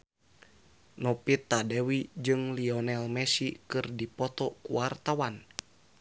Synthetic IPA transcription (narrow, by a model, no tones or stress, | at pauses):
nɔpit̪ːadɛwid͡ʒɨŋliɔnɛlmɛsikɨrdipɔt̪ɔkuwart̪awan